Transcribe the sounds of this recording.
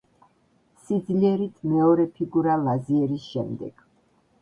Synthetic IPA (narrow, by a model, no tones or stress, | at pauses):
sid̪zliɛɾit̪ʰmɛɔɾɛpʰiɡuɾalaziɛɾisʃɛmd̪ɛ̰ɡ̥